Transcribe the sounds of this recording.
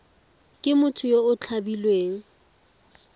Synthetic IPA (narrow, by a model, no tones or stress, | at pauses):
kʼɪmʊtʰʊjoʊt͡ɬʰabilweːŋ̩